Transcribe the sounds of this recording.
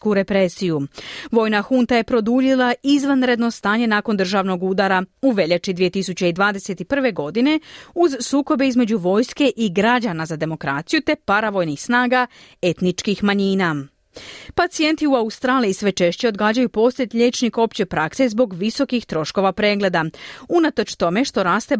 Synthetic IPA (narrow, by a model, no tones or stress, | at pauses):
kuɾe̞pɾe̞sijuʋo̞ːjnaxunt̪aje̞pɾo̞d̪uːʎilˠaizʋanɾe̞d̪no̞st̪aːɲe̞naːko̞nd̪r̩ʒaːʋno̞ɡud̪aɾauʋe̞ʎat͡ʃid̪ʋijet̪isut͡ɕeid̪ʋaːd̪e̞se̞t̪ipr̩ʋe̞ɡo̞d̪ine̞uzsuːko̞beizme̞d͡ʑuʋo̞ːjske̞ʔiɡɾad͡ʑanazad̪e̞mo̞kɾa̰ːt̪sijut̪e̞paɾaʋo̞jnixsnaːɡaet̪nit͡ʃkixmaɲiːna | pat̪sije̞nt̪iuaust̪ɾaːlijisʋe̞t͡ʃe̞ʃt͡ɕe̞o̞d̪ɡaːd͡ʑajupo̞slet̪ʎe̞ːt͡ʃniko̞pt͡ɕe̞pɾakse̞zbo̞ɡʋiso̞kixt̪ɾo̞ʃko̞ʋapɾe̞ːɡle̞d̪aunat̪o̞t͡ʃt̪o̞me̞ʃt̪o̞ɾaːst̪e̞